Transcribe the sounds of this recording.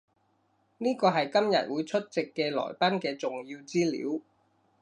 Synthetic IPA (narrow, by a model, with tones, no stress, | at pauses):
niː˥kɔː˧ɦɐ˨jkɐ˥mjɐ̰˨t̚wuː˨˧jt͡ʃʰɵ˥t̚t͡sɪ˨kːɛː˧lɔ̰ː˨˩jpa˥nkɛː˧t͡sʊ˨ŋji˧wt͡siː˥lḭː˨˥w